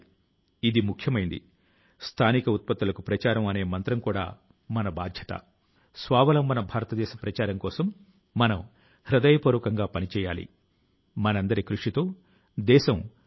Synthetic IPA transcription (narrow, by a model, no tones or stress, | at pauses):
id̪imukʰjɐmɐjind̪ḭ | st̪ʰaːnikɐut̪̚pɐt̪ːulɐkupɾɐt͡ʃaːɾɐmɐne̞ːmɐnt̪ɾɐmkuːɽa̰ː | mɐnɐbaːd̪ʱjɐt̪ɐ̰ | sʋaːʋɐlɐmbɐnɐbʱaːɾɐt̪ɐd̪ɛːʃɐpɾɐt͡ʃaːɾɐmkɔːsɐmː | ɐnɐm | hɾɐd̪ɐjɐpoːɾʋɐkɐŋɡaːpɐnit͡ʃɛːjaːlḭ | mɐnɐnd̪ɐɾikɾuʂit̪oː | d̪ɛːʃɐm